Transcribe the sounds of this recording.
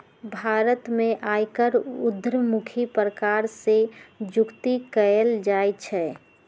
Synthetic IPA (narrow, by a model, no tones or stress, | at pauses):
bʱaɾət̪mẽʔajkəɾʊd̪ɾəmukʰipɾəkaɾsed͡ʒʊkt̪ikəəld͡ʒajt͡ʃʰɛ